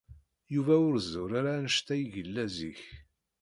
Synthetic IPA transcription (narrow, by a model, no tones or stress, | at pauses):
juvæʊɾzʊɾaɾanəʃt̪æjʝəlːæzḭç